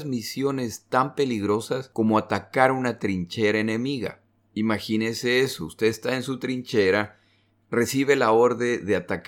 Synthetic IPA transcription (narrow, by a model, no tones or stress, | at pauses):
zmisjo̞ne̞st̪ampe̞liɣɾo̞sasko̞moat̪akaɾunat̪ɾint͡ʃe̞ɾaenẽ̞miɣa̰ | imaxinese̞esoust̪e̞est̪aensut̪ɾint͡ʃe̞ɾa | re̞siβ̞e̞lao̞ɾðeðe̞at̪ak